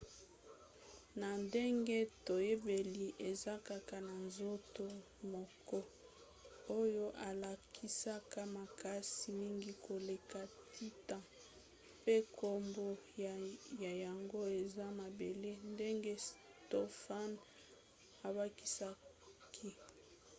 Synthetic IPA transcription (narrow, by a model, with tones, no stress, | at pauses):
na˨nde˦ŋɡe˦to˨je˦be˨li˨ʔe˨za˦ka˨ka˨na˨nzo˦to˦ | mɔ˨kɔ˦ | o˦jo˦ʔa˨la˨kʰi˦sa˦ka˦ma˨ka˦si˨mi˦ŋɡi˦kʰo˨le˨ka˨ti˦tã˨ | pe˦kʰo˦mbo˦jja˨ja˨ŋɡo˦e˨za˦ma˨be˨le˦nde˦ŋɡe˦s | to˦fa˦n | a˨ba˦ki˦sa˦kʰi˦